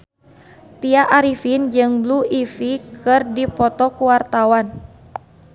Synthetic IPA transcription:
t̪iaʔaɾifind͡ʒɨŋbluifikʰɨrdipɔt̪ɔkuwart̪awan

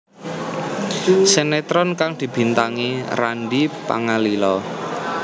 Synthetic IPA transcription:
senet̪ɾɔnkaŋd̪̥i̤b̥i̤nt̪aŋira̰nɖipa̰ŋalilɔ

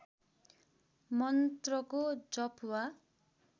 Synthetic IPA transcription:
mʌnt̪rʌkod͡zʌpʰwa

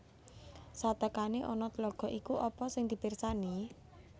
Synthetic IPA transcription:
sat̪əkaneʔɔnɔt̪əlɔɡ̥ɔ̤ʔikuʔɔpɔsɪŋd̪̥i̤persani

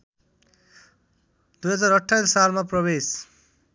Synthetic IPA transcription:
d̪ujɦʌd͡zaɾʌʈʰːajlsalmapɾɔβes

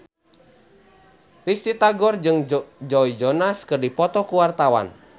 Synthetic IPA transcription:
rist̪it̪aɡɔrd͡ʒɨŋd͡ʒɔid͡ʒɔnaskɨrdipɔt̪ɔkuwart̪awa̰n

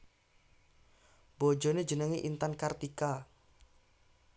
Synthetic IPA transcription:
b̥od͡ʒoned͡ʒə̤nəŋiʔint̪ankart̪ika

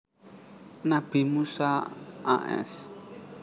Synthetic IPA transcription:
nab̥imusaa̰ʔɛ̰s

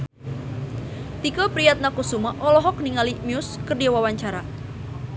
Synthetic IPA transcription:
t̪ikɔpɾijat̪̚nakusumaʔɔlɔɦɔk̚niŋalimiʊskərdiawawaɲt͡ʃaɾa

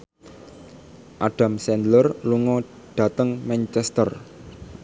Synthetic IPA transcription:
ʔaɖ̥a̤msɛnd̪lərluŋɔ | ɖ̥a̤t̪əŋmɛnt͡ʃɛst̪ər

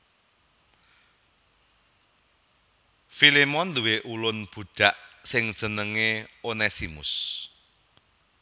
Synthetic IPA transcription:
filemɔnluweʔulʊnb̥ṳɖ̥a̤ʔsɪŋd̥ʒ̥ə̤nəŋeonɛsimʊ̰s

